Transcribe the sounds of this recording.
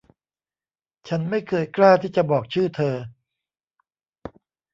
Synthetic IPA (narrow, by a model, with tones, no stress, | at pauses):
t͡ɕʰa˦˥nma˥˩jkʰɤː˧jklaː˥˩t̪ʰiː˥˩t͡ɕa˨˩bɔː˨˩k̚t͡ɕʰɯː˥˩t̪ʰɤː˧